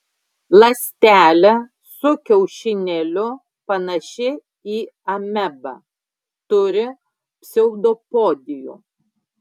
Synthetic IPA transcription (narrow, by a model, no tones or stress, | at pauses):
lˠɐsʲt̪ʲæːlʲɛ | sʊkʲɛʊʃʲɪnʲɛlʲʊ | pɐnɐʃʲɪ | iːɐmʲɛbɐ̰ˑ | t̪ʊɾʲɪ | pʲsʲɛʊd̪opoːd̪ʲɪjṵː